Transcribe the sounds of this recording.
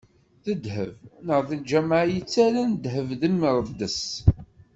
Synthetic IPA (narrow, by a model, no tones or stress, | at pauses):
θəd̪həvnəʁðild͡ʒæmaʕjət͡sːæɾænd̪həvðəmːəɾˤd̪əs